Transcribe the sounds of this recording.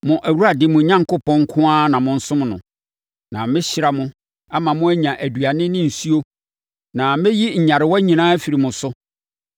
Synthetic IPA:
mʊ̃˨ʔæ˨wu˦ɾa˨dɪ˦mʊ̃˨˦ɲã˦ŋko˦pʰɔ̃˦ŋ˦kʰʊ̃˦a˦nã˨mʊ̃˨n̩˦sʊ̃˦m˨nʊ̰̃˨ | nã˨mɪ̃˦ɕɪ˦ɾa˨mʊ̃˦ | a˦mã˨mʊ̃˦æ˦ɲã˨ʔæ˨dɥa˨nɪ̃˦nɪ̃˦n̩˨su˦o˦ | nã˨mɪ̃˦ji˦ɲ̩˨ɲã˨ɾɪ˨wɔ˦ɲĩ˨nãː˦fi˨ɾi˨mʊ̃˨sʊ˦

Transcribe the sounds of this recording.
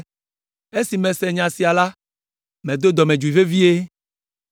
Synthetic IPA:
e˦si˨mẽ˨sɛ˨ɲã˨si˨a˨la˦ | mẽ˨d̪o˦d̪ɔ˨mẽ˨d͡ʒu˨i˨ve˦vi˦e˦

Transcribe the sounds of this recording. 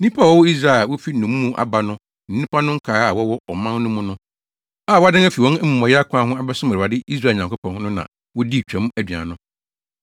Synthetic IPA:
nĩ˦pʰa˦˨wɔ˦wɔ˦i˦s̬ɾa˦˨wɔ˦fi˦nʊ̃˨mː˦ũ˦ʔa̰˨ba˨nʊ̃˦ | n̩˨nĩ˦pʰa˦nʊ̃˦ŋ̩˦kʰaː˨˦a˨wɔ˦wɔ˦ɔ˨mã˦n˦nʊ̃˦mʊ̃˦nʊ̃˦ | aː˦˨wɔ˦a˦dɪ̃˦æ˦fi˨wɔ̃˦nɛ˦mũ˨mɔ̃˨jɪ˦a˦kʷʰã˦hʊ̃˦a˦bɛ˦sʊ̃˦mæ˨a˨dɪ˦ʔi˦s̬ɾa˦˨ɲã˨ŋkʰʊ˦pʰɔ̃˨n˦nʊ̃˦nã̰˨ | wɔ˦di˦˨t͡ɕᶣɛ̃˨˦m˦æ˨dɥa̰˨nʊ̃˦

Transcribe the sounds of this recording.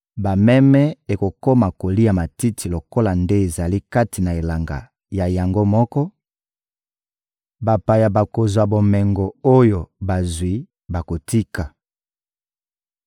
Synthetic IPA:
ba˨mɛ˦mɛ˦e˨ko˨ko˦ma˨ko˨li˦ja˨ma˨ti˦tʰi˨lo˨ko˦la˨nde˦e˨za˨li˦ka˦ti˨na˨e˨la˨ŋɡa̰˨ | ja˨ja˨ŋɡo˦mɔ˦kɔ˦ | ba˨pa˨ja˨ba˨ko˨zwa˨bo˨mɛ˨ŋɡo˨o˦jo˨ba˨zwi˨ | ba˨ko˨ti˦ka˨

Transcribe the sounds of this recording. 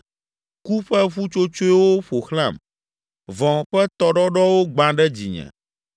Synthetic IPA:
ku˦ɸɛ˦ɸu˦t͡ʃo˦t͡ʃo˦i˦wo˦ɸo˨xlã̰˦˨m | vɔ̃˨ɸɛ˦t̪ɔ˨ɖɔ˦ɖɔ˦wo˦ɡ͡bã˨ɖɛ˦d͡ʑḭ˨ɲɛ̰̃˨

